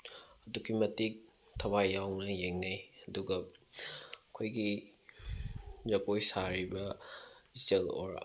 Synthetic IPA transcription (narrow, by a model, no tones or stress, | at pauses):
ɐdukimɐtik̚ | tʰɐwajːawnɐjeŋnajɐduɡɐ | kʰojɡi | zɐkojsaɾibɐ | zelo̰ɾ